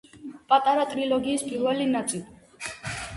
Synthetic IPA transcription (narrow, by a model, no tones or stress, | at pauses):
pʼat̪ʼaɾat̪ʼɾilɔɡiːspʼiɾvɛlinat̪sʼili